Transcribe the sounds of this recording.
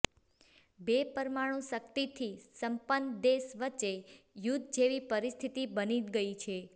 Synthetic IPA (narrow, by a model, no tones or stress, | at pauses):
bepəɾmaɽ̃ũsəkt̪it̪ʰisəmpənd̪esʋət͡ʃejut̪̚d͡ʒeʋipəɾist̪ʰit̪ibəniɡəit͡ʃʰe